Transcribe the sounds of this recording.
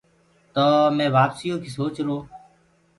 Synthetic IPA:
t̪oːmɛ̃ːʋaːpsijõːkʰiːsoːt͡ʃɾoː

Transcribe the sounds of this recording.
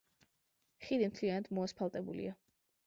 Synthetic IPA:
χid̪imt̪ʰlianat̪mɔaspʰalˠt̪ʼɛbṵlḭa

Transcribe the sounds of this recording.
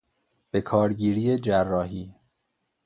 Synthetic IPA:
b̥e̞kʰɒːɾɟiːɾiːjed͡ʒærːɒːɦiː

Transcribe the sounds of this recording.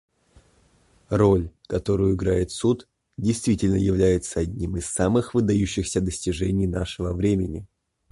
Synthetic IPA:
ro̞lʲkɐt̪o̞ɾʊjʊɪɡɾajɪt̪sut̪ | dʲɪjst̪vʲitʲɪlʲnəjɪvlʲæjɪt̪səɐdʲnʲimɨsːamɨxvɨd̪ɐjuɕːɪxsʲəd̪əsʲtʲɪʐɛnʲɪjnaʂɨvəvɾʲemʲɪnʲɪ

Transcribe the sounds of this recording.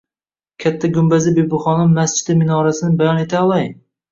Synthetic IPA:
kʲʰat̪ʰːaɡʊmbazɪbebʊχɒnɪmːast͡ʃɪd̪ɪmɪnɒɾasɪnɪbajɒne̞t̪ʰaɒlˠaj

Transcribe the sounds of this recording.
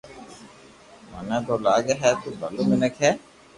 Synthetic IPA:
mə̰nə̃k̪olaːɡɦɛt̪ubʱɐlomɪnəkʰɦɛː

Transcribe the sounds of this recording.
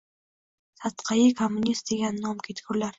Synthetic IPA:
sʰat̪qʰɑjikʰomːʊnist̪̚d̪eɡʲanːɒmkʰʲet̪ɡʰʊɾlaɾ

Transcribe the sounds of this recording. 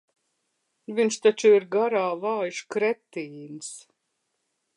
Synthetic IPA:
vinʃt̪at͡ʃuiɾɡaɾaːvaːjʃkɾɛt̪iːns

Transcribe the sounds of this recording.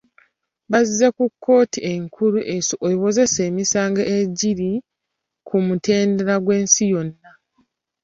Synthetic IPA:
βazizekukʰːo̞ːtʰiʔe̞ŋkʰuɾuʔeojwoze̞se̞ːmisaːŋɡeʔeɟiɾi | kʰumute̞ːndeɾaɡwe̞ːnsijo̞nːa

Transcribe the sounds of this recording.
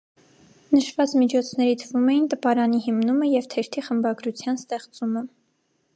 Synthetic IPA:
nəʃvɑt͡smit͡ʃʰɔt͡sʰnɛɾit̪ʰəvumɛjint̪əpɑɾɑniɦimnuməjɛvt̪ʰɛɾt̪ʰiχəmbɑɡɾut͡sʰjɑnst̪ɛχt͡sumə

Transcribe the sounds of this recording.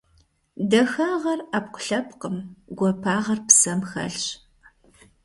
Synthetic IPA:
dɐxaːʁɐraːp̚qʷʊɬɐp̚ʰqəmɡʷɔpʰaːʁɐrpsɐmxɐ̰ɬɕ

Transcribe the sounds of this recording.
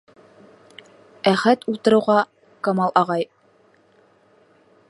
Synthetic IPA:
æχæt̪ulˠt̪ɤ̆ɾɤ̆wʁɑ | kɑmɑlˠɑʁɑj

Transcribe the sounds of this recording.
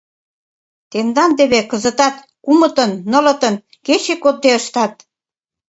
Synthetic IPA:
t̪end̪ɑnd̪eβekə̆zə̆t̪ɑt̪ | kumə̆t̪ə̆nːə̆lə̆t̪ə̆n | ket͡ɕekot̪̚ːeəʃt̪ɑt̪̚

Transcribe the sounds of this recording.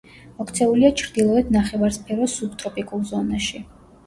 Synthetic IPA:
mɔkʰt̪sʰɛuliat͡ʃʰɾd̪ilˠɔɛd̪naχɛvaɾspʰɛɾɔsːubt̪ʼɾɔpʼikʼulˠzɔnaʃi

